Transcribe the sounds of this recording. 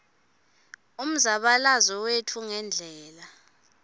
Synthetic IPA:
um̩zaɓalazɔwetʰuŋɛnd͡ɮʱɛːla

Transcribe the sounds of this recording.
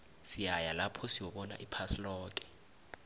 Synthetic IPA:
siajalapʰɔsiwɔɓɔna̰ʔipʰaslɔːk̬ʼɛ̥

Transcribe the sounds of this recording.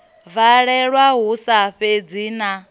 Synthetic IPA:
vaɺɛɺwaɦusaɸed͡ziːna

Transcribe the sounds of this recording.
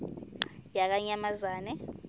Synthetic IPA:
jak̬aɲamazaːnɛ

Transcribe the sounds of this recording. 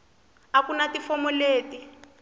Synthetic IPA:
akunatifɔmɔleːti

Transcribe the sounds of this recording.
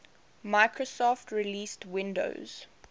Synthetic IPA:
maɪkʰɹosɔftʰɹiliːstwɪ̃ndo̰ʊz̥

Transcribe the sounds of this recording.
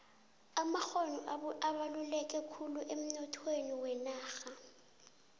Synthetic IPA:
amaxonɔaβalulɛkʼɛkʰuluʔem̩nɔtʰweniwɛnaːxa

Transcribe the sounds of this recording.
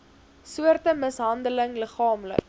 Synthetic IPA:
suərtəməsɦɐndələŋləχɑːmlə̰k

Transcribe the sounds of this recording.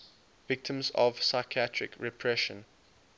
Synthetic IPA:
vɪk̚tʰə̃mzɔ̰v̥saɪkʰiatʰɹɪ̰kʰɹɛpʰɹɛʃə̰̃n

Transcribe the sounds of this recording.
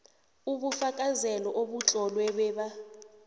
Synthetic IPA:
uɓufakʼazɛlɔʔoɓut͡ɬʼɔlwɛɓɛːɓa

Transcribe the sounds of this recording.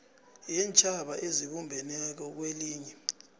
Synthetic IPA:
jɛnt͡ʃʼaɓaʔeziɓumbʱɛnɛk̬ɔk̬weliːɲɛ

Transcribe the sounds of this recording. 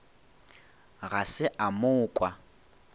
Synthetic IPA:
ɣasɪʔamʊːkʼwa

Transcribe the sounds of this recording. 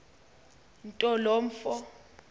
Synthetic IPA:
n̩tʼɔlɔːm̩fɔ

